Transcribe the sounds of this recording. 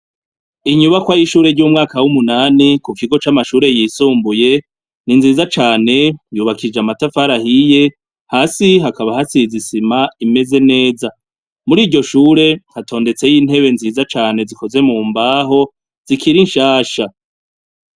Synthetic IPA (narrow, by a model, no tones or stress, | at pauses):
iɲuβakwajiʃuːɾe̞ɾɟuːmŋaːkawumunaːnikukiɡo̞t͡ʃamaʃuːɾe̞jiːsuːmbuje̞ | ninziːzat͡ʃaːne̞juːβakʰid͡ʒeamatafaɾahije̞ | haːsiɦakaβahasizisimaime̞ze̞ne̞ːza | muɾiːɾɟo̞ʃuːɾe̞hatʰo̞ːnde̞t͡se̞jiːnhe̞βe̞nziːzat͡ʃaːne̞ziko̞ze̞muːmbaːɦo̞ | z̥ikʰiɾinʃaːʃa